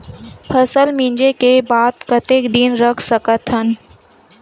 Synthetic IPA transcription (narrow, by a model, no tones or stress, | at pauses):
pʰɐsəlmĩːɲd͡ʒekebaːd̪̚kɐt̪eːkd̪inɾɐkʰsəkət̪ɦən